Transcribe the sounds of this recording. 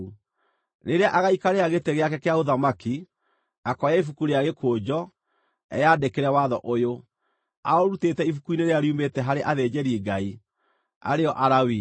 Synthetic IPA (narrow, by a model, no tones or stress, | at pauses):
neɾeaʔaɣaikaɾeaɣeteɣeakɛkeaoðamaki | akɔjaifukuɾeaɣekʰoːd͡ʑɔ | ɛ̰jaːdekeɾɛwaðɔʔojo | a̰ɔɾutetɛifukuineɾeaɾiumbetɛɦaɾeʔaðeːd͡ʑɛɾiiɡai | a̰ɾeɔʔaɾawi